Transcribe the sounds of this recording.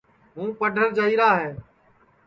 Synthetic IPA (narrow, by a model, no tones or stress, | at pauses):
ɦũːpəɖʱəɾd͡ʒəiːɾaːɦeː